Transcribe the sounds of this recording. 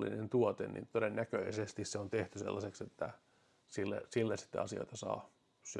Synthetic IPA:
lːḭnent̪uot̪ḛnnḭnt̪odenːækøisest̪isseont̪eht̪ysḛlːɑsekset̪ːæ | silːḛsilːæsi̥t̪ːḛɑsio̰it̪ɑsɑ̰ː | se

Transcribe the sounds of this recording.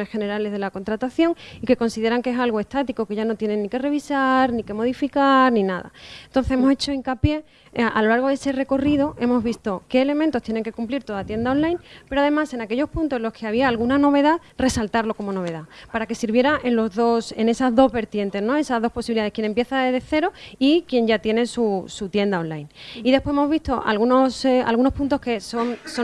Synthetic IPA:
nesxe̞ne̞ɾale̞zðe̞lako̞nt̪ɾat̪aθjo̞ŋike̞ko̞nsiðe̞ɾaŋkeesalɣ̞oe̞st̪at̪iko̞ke̞ʝanot̪je̞ne̞nːike̞re̞β̞isaɾnike̞mo̞ðifikaɾnĩnaða̰ent̪o̞n̟θesemo̞set͡ʃo̞iŋkapje̞ | alo̞laɾɣ̞o̞ðe̞se̞re̞ko̞rið̞o̞ʔe̞mo̞zβist̪o̞ke̞ːle̞mẽnt̪o̞st̪jene̞ŋke̞kumpliɾt̪o̞ðat̪je̞nd̪ao̞nlajnpeɾoaðe̞mase̞nake̞ʎo̞spunt̪osenlo̞skʰe̞aβiaːlɣunano̞β̞e̞ð̞a | re̞salt̪aɾlo̞ko̞mo̞no̞βe̞ðapaɾake̞siɾβje̞ɾaʔe̞nlo̞zðo̞sene̞sazðo̞zβe̞ɾt̪je̞nt̪e̞znõ̞e̞sazðo̞spo̞siβiliðaðe̞kje̞ne̞mpje̞θaeðeθe̞ɾo̞ikje̞ɲʝat̪je̞ne̞susut̪je̞nd̪ao̞nlajniðepweemo̞zβist̪o̞ʔa̰lɣunosa̰lɣuno̞spunt̪oske̞soŋso

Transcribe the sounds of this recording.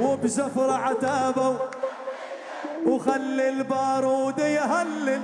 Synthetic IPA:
ʊbsafɾˤɑʕat̪aːbaw | wxalːɪlbɑːɾˤuːd̪ajɦalːɪ

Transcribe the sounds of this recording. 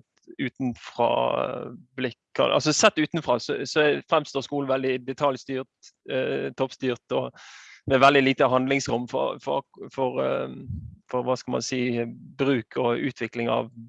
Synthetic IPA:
ʉːt̪nfɾɑ̰ː | blɪkːɑ̰nʔɑ̰s̬ɔsɛt̪ːʉːt̪n̩fʁɑːsɔsɔæfɾɛmst̪oːskuːln̩ʋɛld̪ɪd̪ɛt̪ʰɑljst̪yːʁt̪ | t̪ʰːɔpst̪yːʁt̪ɔmɛʋɛld̪ɪliːt̪əɦɑnd̪lɪŋsɾʊmːfɔ̰fɔ̰fɔɾ | fɔɾʋɑːskɑlmɑ̰nsiːbɾʉːkʰɔʉːt̪ʰʋɪklɪŋɑ̰ʋ

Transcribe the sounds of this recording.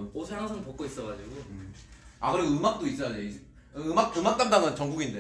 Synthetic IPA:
osʰeaŋsʰʌŋpok͈̚ois͈ʌɡad͡ʑiɡo | akɯɾeɡɯmak̚t͈ois͈ʌjad͡ʑei | ɯmak̚ɯmak̚t͈andaŋɯnt͡ɕʌŋɡuɡinde

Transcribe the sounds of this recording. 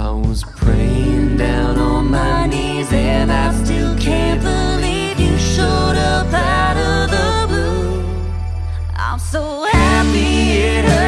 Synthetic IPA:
aɪwʌz̥pʰɹ̥eɪɪ̃ŋdãʊ̃nən̩maɪni | zɨnaɪstɪlˠkʰæ̃nb̥əli | vjɨʃɔɹɾəpæɾʌvðəbu | ã̰ɪ̃msoʊhæpi

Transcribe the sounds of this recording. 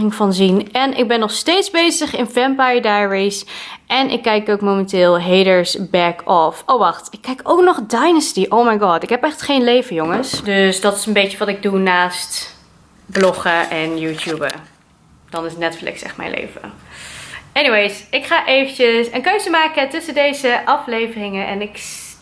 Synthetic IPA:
ɪŋfɑnzinɛnɪ̰ɡ̚bɛnːɔχstejtzbejzəχɪnvɛmpajədajəɹisʔɛnʔɪ̰kːɛjkowkmomɛ̃ntɪːlˠɦejdəɹsbɛkʰɔfowʋɑχtɪkːɛjkowknɔχdajnəstiʔowmajɡɑːtɪkɦɛpɛχtχejnlejvəjoŋəsdøsdɑtɪ̥sənbejt͡ʃəʋɑtɪɡ̚dunaːst | blɔχəʔɛnjuːtjubə̰ | d̥ɑnɪsətnɛtflɪ̰ksɛ̰χtmɛ̰jnlʔḛjvə̰ | ɛniwejsɪkχaːʔejvənt͡ʃəsənkøɥzəmaːkətɵsəndejzəʔɑflejvərɪŋəʔɛ̰nɪk

